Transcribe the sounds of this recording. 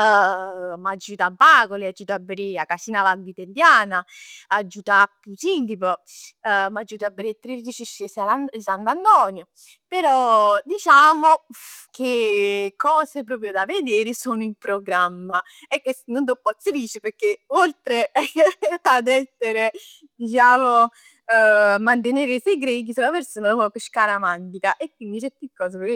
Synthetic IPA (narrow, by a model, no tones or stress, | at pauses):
mad͡ʒːuːt̪abːaːkoliad͡ʒːuːt̪abeɾiakːasiːnalaɡit̪ed̪jaːnaad͡ʒːuːt̪akusint̪iːpo | mad͡ʒːuːt̪abːeɾit̪ːɾiɾd̪it͡ʃiʃisalansand̪and̪ɔːnjo | peɾɔd̪it͡ʃaːmokʰekʰːɔːsepɾɔːp̬ɾjod̪aved̪eːɾɪsoːnʊimpɾoɡɾamːa | ɛkːwesnond̪opːɔt̪siliːt͡ʃɪpeɾkːeolt̪ɾe | ad̪ɛsːeɾe | d̪it͡ʃaːmo | mant̪̬eneːɾɪsejɡɾeɡisulapeɾsoːnapɔkɪʃkaːɾamant̪ik̪aʔekwind̪it͡ʃɛt̪ikːɔːs̬epeɾ